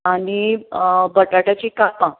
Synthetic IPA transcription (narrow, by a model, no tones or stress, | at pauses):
aɽ̃i | bəʈaʈat͡ɕikapã